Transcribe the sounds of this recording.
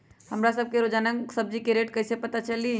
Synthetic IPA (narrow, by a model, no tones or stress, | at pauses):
hɐmɾasɐb̚keɾoːd͡ʒaːnə̃ŋsɐb̚d͡ʒikeɾeːʈkɐɦsepɐt̪at͡ʃɐli